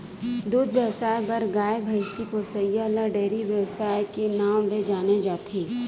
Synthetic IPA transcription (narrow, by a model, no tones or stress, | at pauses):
d̪uːd̪ʋjəwsaːjbɐɾɡaːebʱəɪsiposɐjaləɾɖeːɾiʋjəwsaːjkenaːmled͡ʒaːned͡ʒaːt̪ʰeː